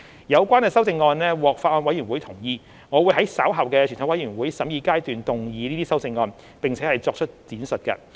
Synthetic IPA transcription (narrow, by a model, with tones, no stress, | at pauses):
jɐ˨˧wkʷwaː˥nkɛː˧sɐ˥wt͡sɪ˧ŋːɔː˧nlɛː˥wɔː˨˩k̚faː˧ɔː˧nwɐ˨˥jɥy˨˩nwuː˨˥jt̪ʰʊ˨˩ŋjiː˨˧ | ŋɔː˨˧wu˨˧jɦɐ˨˥jsaː˨˥wɦɐ˨˩wkɛː˧y˨˩nt̪ʰʊ˨˥wɐ˨˥jɥyː˨˩nwuː˨˥jsɐ˨˥mjiː˧kaː˥jt̪yː˨nt̪ʊ˨ŋjiː˨˧niː˥t̪iː˥sɐ˥wt͡sɪ˧ŋːɔː˧n | pe˨ŋt͡sʰɛː˨˥hɐ˨jt͡sɔː˧k̚t͡ʃʰɵ˥t̚t͡siː˨˥nsɵ˨t̚kɐ̰˧